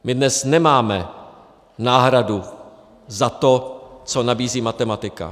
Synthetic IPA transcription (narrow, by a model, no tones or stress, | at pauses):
mɪdnɛsnɛmaːmɛ | naːɦɾadu | zat̪ot͡so̞nabiːziːmat̪ɛmat̪ɪka̰